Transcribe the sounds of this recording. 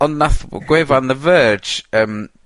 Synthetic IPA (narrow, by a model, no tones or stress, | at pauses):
ɔnnaθɡ̥wɛvanðəvəd͡ʒəːm